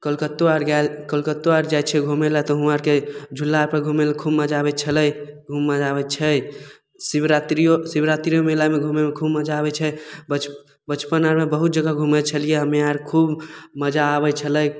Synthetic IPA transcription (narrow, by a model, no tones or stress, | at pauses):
kəlkət̪ːoaɾɡalkəlkət̪ːuaɾd͡ʒajt͡ʃʰɛɡʱumelat̪ɔɦũaɾked͡ʒʱulːaɾpəɾɡʱumelkʰubməd͡ʒaːbɛt͡ʃʰələjɡʱumːad͡ʒaβɛt͡ʃʰɛ | sibɾat̪ɾijosibɾat̪ɾijomelameɡʱumemekʰubməd͡ʒaːβɛt͡ʃʰɛbət͡ʃ | bət͡ʃpənaɾmebəɦut̪̚d͡ʒəɡaɡʱumət͡ʃʰəlijeɦəmeaɾkʰubməd͡ʒaːβɛt͡ʃʰələj